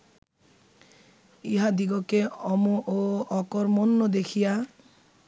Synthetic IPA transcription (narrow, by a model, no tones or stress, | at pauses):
iɦad̪iɡɔkeɔmuʔoɔkɔɾmɔnːɔd̪ekʰija